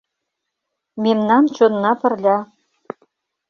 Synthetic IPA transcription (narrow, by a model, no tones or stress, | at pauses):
memnɑnt͡ɕonːɑpə̆rlʲɑ